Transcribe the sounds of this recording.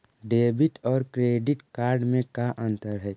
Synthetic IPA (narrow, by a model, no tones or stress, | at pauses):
ɖeːbɪʈɔːɾkɾeːɖɪʈkaːɾɖmẽkaʔə̃nt̪əɾɦɛ